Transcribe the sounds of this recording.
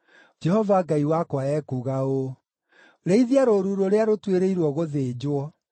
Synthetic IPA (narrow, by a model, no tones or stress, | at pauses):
d͡ʒɛhɔvaɡaiwakwaɛkuɣao | ɾeiðiaɾoɾuɾoɾeaɾotweɾeiɾwɔɣoðed͡ʑwɔ